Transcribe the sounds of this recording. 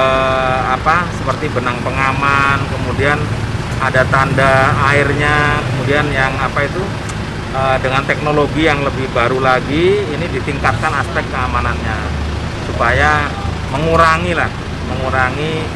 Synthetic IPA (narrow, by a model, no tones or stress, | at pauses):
əapasəpərt̪ibənaŋpəŋamankəmudian | adat̪andaaɪrɲakəmudianjaŋapait̪u | əːdəŋant̪ɛk̚noloɡijaŋləbɪhbaɾulaɡiːnidit̪iŋkat̪̚kanaspɛk̚k̚kːəamananɲa | supaja | məŋuɾaŋilah | məŋuɾaŋi